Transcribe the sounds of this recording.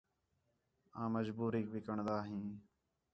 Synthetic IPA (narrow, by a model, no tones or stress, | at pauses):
ãːməd͡ʒbuːɾiːk̚bɪkəɳd̪aːɦĩː